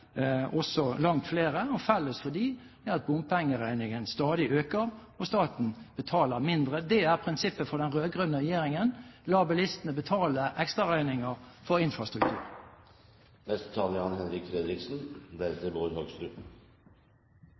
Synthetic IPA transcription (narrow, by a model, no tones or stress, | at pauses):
ɔsɔlɑŋt̪fleːʁəɔfɛlːəsfɔd̪iː | ɛɑt̪̚bʊmpɛŋːəʁæɪnɪŋənst̪ɑːd̪ɪʔøːkəʁ | ɔst̪ɑːt̪n̩b̥ət̪ʰɑːləʁmɪnd̪ʁəd̪ɛæʁpʰʁɪnsɪpːəfɔd̪ɛnʁøːɡʁʉnːəʁɛjeːɾɪŋənlɑːbɑlɪst̪ənəbət̪ʰɑːləʔɛkst̪ʁɑʁæɪnɪŋəʁfɔʁɪnfɾɑst̪ɾʉkt̪ʰʉ̰ːɾ | nɛst̪ə̥t̪ʰɑːləɑnhɛnɾɪkfɾɛd̪ɾɪksn̩d̪ɛt̪əboːhøːɡst̪ɾʉː